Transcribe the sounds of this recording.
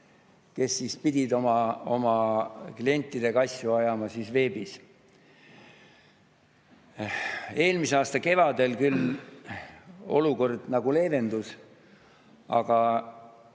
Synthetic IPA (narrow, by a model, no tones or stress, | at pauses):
ke̞sːiːspid̪ʲid̪o̞mɑo̞̰mɑklie̞nʲt̪ːˑid̪e̞ɡ̥ɑɑsʲjuɑjɑmɑsisve̞ːbis | e̞ːlmiseɑːst̪ɑke̞vɑd̪e̞lkyl | o̞luko̞rd̪̥nɑɡule̞ːve̞nd̪us | ɑ̰ɡ̥ɑ